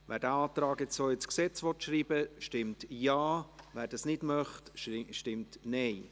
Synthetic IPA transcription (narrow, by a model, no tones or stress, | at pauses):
væːɾd̥æɑːt̪ɾɑːɡɛt͡ssoːɪt͡sksɛt͡sʋɔtʃriːbəʃtɪmtjaːvæːɾdɑsnɪdmœχtʃtɪmtnɛɪ